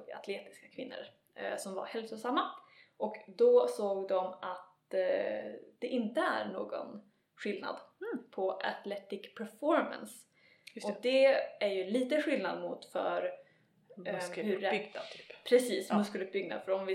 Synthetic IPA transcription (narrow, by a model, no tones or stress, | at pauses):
a̰t̪ʰleːt̪ɪ̥skakʰvɪnːə̰ɾ | sɔmva̰ɾhɛlsʊsamːaʔɔkd̪ɔsoːɡd̪ɔmat̪ | d̪̥ɛʔɪnt̪əæ̰ɾɳo̰ːɡɔ̰n | ɧɪlna̰d̪pʰɔʔat̪lɛt̪ɪkpʰɛɾfɔɾma̰ns | ɔd̪ɛæɾjɵliːt̪əɧɪlnad̪mʊt̪fœ̰ɾ | hɵɛɡ̪ʰːpʰɾɛsiːsmɵskəlɵp̚bʏɡna̰fœɾɔmvɪ